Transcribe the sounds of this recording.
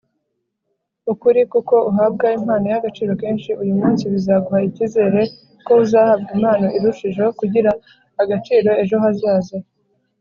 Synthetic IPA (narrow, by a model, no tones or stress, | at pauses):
ukuɾikuko̞uɦab̚ɡaim̥haːno̞jaɡat͡ʃiːɾo̞ke̞ːnʃiujumuːnsiβizaːɡuhaiciːze̞ːɾe̞ | ko̞uzaːhabɡim̥aːno̞ʔiɾuʃiʒo̞kuɟiɾaː | ɡat͡ʃiːɾo̞e̞ʒo̞ɦazaːze